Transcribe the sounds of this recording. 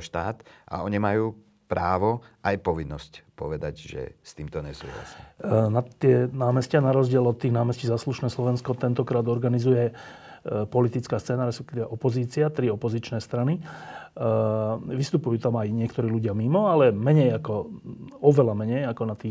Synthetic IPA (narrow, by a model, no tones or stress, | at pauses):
ʃt̪aːt̪ʔa̰ɔɲimajuː | pɾaːʋɔʔajpɔʋinːɔscpɔ̰ʋɛd̪aɟʒɛ̰st̪iːmt̪ɔɲɛsṵːla̰sinat̪ːɪɛnaːmɛscanaɾɔzɟɪɛlɔt̪ːiːɣnaːmɛsciːzasluʃnɛːslɔʋɛnskɔt̪ɛnt̪ɔkɾaːd̪ɔɾɡanizujɛ | pɔlit̪it͡skaːst͡sɛːnaɾɛspɛkt̪iʋɛʔɔpɔziːt͡sɪat̪ɾiɔpɔzit͡ʃnɛːst̪ɾani | ʋist̪upujuːt̪amajɲɪɛkt̪ɔɾiːluɟɪamimɔalɛmɛɲɛjakɔɔʋɛlamɛɲɛjakɔnat̪iː